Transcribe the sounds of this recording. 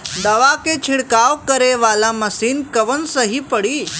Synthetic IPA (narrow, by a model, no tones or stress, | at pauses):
d̪ɐʋaket͡ʃʰɪɽkaːʋkəɾeʋaːlamɐsiːnkɐʋənsəɦipəɽiː